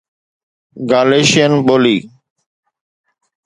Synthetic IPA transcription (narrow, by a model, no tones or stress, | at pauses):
ɡaːleːʃɪjənɓoːliː